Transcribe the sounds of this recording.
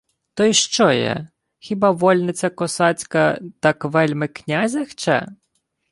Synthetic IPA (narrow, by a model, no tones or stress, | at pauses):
t̪ɔjiʃt͡ʃɔjɛ̰ | xʲibɑʋɔlʲnɪt͡sʲɐkɔsɑt͡sʲkɐt̪ɐkʋɛlʲmɪknʲazʲɐxt͡ʃɛ̰